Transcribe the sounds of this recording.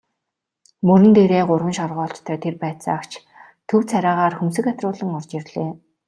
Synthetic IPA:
mɵɾɘ̆nt̪eːɾeːɢʊrwə̆nʃɔrʁɔːɬt͡ɕt̪ʰœːt̪ʰerpæːt̪sə̰akt͡ɕ | t̪ʰɵwt͡sʰæɾʲaːʁaːrxɵms̬ɘ̆kat̪rʊːɮə̆ŋɔrt͡ɕirɮeː

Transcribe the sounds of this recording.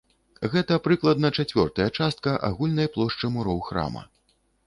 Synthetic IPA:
ɣɛt̪ɐpɾɨklˠɐd̪̚nɐt͡ʂat͡sʲvʲɔ̰rt̪ɐjɐt͡ʂast̪̚kɐʔa̰ɣulʲnɐjplˠɔʂt͡ʂɨmuɾɔwxɾa̰mɐ̰

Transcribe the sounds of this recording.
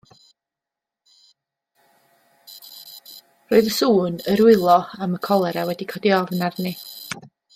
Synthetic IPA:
roɨðəsuːnəɾwɪlˠɔaməkʰɔlˠɛɾawɛdikʰɔdiɔvnarni

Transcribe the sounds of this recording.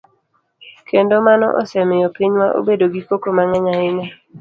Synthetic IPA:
kʰendomanɔ̰ʔɔ̰sɛmɪjɔpiɲmaʔo̰bedoɡikokomaŋaɲaɪna

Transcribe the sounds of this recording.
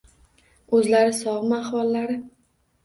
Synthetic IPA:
ɵzlaɾɪsɒʁmaχwɒlːaɾɪ

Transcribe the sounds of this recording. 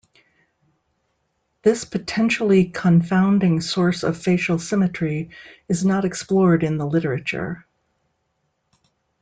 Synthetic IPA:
ðɪspʰɨtʰɛ̃nʃl̩ˠikʰə̃ɱfãʊ̃ndɪ̃ŋsɔɹsʌ̰v̥feɪʃl̩ˠsɪ̃mɨt͡ʃɹ̥iɨznəɾɨksplɔɹɾɨ̃nðəlɪɾə˞ɨt͡ʃə̰˞

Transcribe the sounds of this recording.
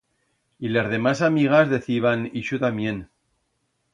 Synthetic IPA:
ilezðe̞masamiɣ̞azðe̞θiβ̞aniʃut̪amje̞n

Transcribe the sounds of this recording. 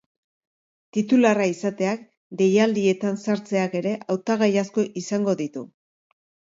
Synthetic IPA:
t̪it̪ularaisat̪e̞ak | d̪e̞jald̪ie̞t̪ansaɾt͡se̞ake̞ɾe̞ʔawt̪aɣ̞ajasko̞ʔisaŋɡo̞ðit̪u

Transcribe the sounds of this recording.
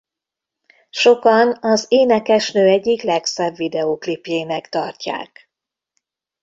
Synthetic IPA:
ʃo̞kɒnɒzeːnɛkɛʃnøːɛɟːiklɛksɛbvid̪ɛoklipjeːmɛkt̪ɒrca̰ːk

